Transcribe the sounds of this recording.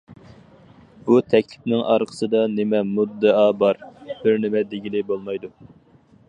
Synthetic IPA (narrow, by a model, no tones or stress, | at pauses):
b̥ut̪ʰɛkʲlɪpnɪŋʔɑ̰ɾqʰə̥sɨd̪ɑnɪmɛmud̪ːɨɑbɑɾb̥ɪɾnɪmɛd̪eɡʲilɪbolˠmɑjd̪u